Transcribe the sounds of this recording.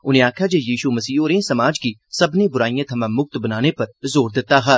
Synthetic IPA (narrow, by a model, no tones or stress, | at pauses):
ʊnẽaːkʰad͡ʒejiːʃumɐsiːõːɾẽsɐmaːd͡ʒkisɐbnebʊɾaːijãt̪ʰɐmãmʊk̚t̪bɐnaːnepɐɾzoːɾd̪ɪt̪aɦɛː